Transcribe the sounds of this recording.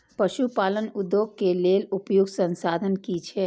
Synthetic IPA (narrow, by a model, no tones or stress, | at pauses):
pəʃupaːlənʊd̪ːjoːɡ̚keleːlʊpjʊɡsə̃nsaːd̪ʱənkit͡ʃʰɛ